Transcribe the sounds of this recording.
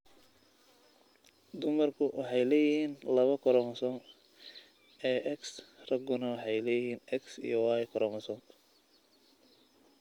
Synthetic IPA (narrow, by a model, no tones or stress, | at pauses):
d̪ʊmɐrkʰʊwɑħɑjlɛːjɪhiːnlɐβɐkʰɔɾɔːmɐsɔːŋ | ɛːʔɛksrɐɡʊnɐwɑħɑjlɛːjɪhiːnɛksḭjɔwɑːjkʰɔɾɔmɐsɔːŋ